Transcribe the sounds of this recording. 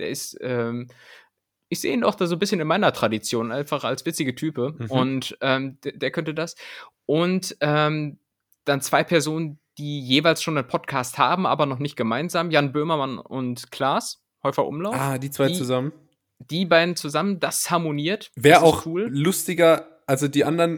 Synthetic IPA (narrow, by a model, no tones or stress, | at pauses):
d̥ḛːɐɪstʔɛːm | ʔɪçz̥ḛːiːnaʊxd̥aːzoːnbɪsçənɪnmaɪnɐtʁ̥adit͡sjoːnʔaɪnfaχa̰lsv̥ɪt͡sɪɡətʰyːpəʊntʔɛːmddeːɐkʰœntədasʔʊntʔɛːm | d̥ant͡sv̥aɪpʰɛɐzoːnənd̥iːjeːvaɪlsʃoːnaɪnpʰɔtkʰaːstha̰ːbm̩ʔaːbɐnɔχnɪçt̚ɡ̥əmaɪnzaːmjanbøɐmɐmanʊ̰ntkʰl̥aːs | hɔʏfɐʔʊ̰mlaʊafːd̥iːt͡sv̥aɪt͡suzamən | d̥iːbaɪdn̩t͡suzaməndashaɐmoniːɐtvɛːɐaʊxkʰv̥uːllʊstɪɡɐ | ʔalzodiːʔandɐn